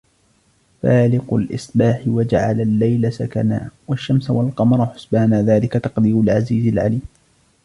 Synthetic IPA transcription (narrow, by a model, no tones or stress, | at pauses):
faːlɪqʊlʔɪ̰sˤbaːħɪwad͡ʒaʕa̰lalːajlasaka̰naːwaʃːamsawalqɑmɑɾˤħʊsbahnaːðaːlɪkat̪ɑqd̪iːʊlʕaziːzɪlʕaliːm